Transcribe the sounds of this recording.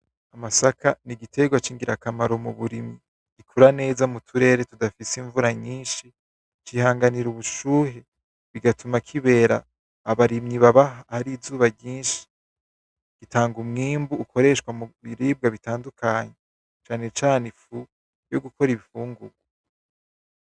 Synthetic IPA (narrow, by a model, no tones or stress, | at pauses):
amasakʰaniɡitʰe̞ɡwat͡ʃiːŋɡiɾakamaɾo̞muβuɾimi | ɡ̥ikʰuɾane̞ːzamutʰuɾe̞ːɾe̞tudafisiɱvuɾaɲiːnʃi | t͡ʃihaːŋɡaniɾuβuʃuːɦe | βiɡatʰumakʰiβe̞ːɾa̰ː | βaɾimɲiβaβahaɾizuːβaɟiːnʃi̥ | ɡ̥itʰaːŋɡumŋiːmbuːko̞ɾe̞ʃkwamuβiɾiːb̚ɡaβitaːndukʰaɲe | t͡ʃaːne̞t͡ʃaːnefu | jo̞ɡuko̞ɾiβifuːŋɡuɡwa